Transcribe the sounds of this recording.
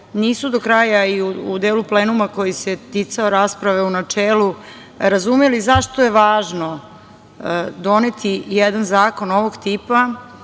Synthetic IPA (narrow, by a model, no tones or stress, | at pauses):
niːsud̪o̞kɾaːjaiuud̪eːlupleːnumako̞jiset̪it̪saoɾaːspɾaʋe̞unat͡ʂeːlu | ɾazumelizaʃt̪oje̞ʋaːʒno̞ | d̪o̞net̪ʰijɛd̪anzaːko̞noʋoɡt̪iːpa